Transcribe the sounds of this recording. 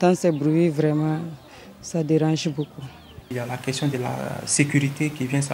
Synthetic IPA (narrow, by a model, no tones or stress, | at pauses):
t̪ãsɛbɾuwivɾɛmã | sadeɾãʒeboku | iljalakɛstjɔ̃d̪əla̰sekyɾit̪ekivjɛ̃sa